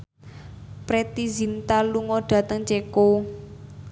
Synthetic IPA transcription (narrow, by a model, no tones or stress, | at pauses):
pɾet̪izint̪aluŋɔɖ̥ä̤t̪əŋt͡ʃeko